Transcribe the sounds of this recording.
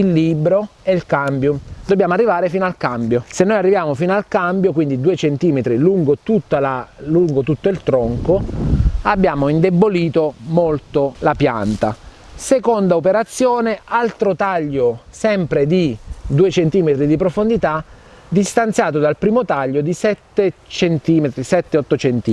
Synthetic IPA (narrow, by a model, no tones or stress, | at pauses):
ilːibɾoɛilkambjʊd̪obːjaːmoarːivaːɾefiːnalkambjosenːojarːivjaːmofinalkambjokwind̪id̪uːet͡ʃent̪iːmet̪ɾiluŋɡot̪ut̪ːalaluŋɡot̪ut̪ːoilt̪ɾɔŋko | abːjaːmoind̪ebːoliːt̪omolt̪olapja̰nt̪a | sekond̪aopeɾat̪sːjɔːnealt̪ɾot̪aʎːosɛmpɾed̪id̪uːet͡ʃent̪iːmet̪ɾid̪ip̬ɾofond̪it̪a | d̪ist̪ant̪sjaːt̪̬od̪alpɾiːmot̪aʎːod̪isɛt̪ːet͡ʃent̪iːmet̪ɾisɛt̪ːeɔt̪ːot͡ʃent̪iː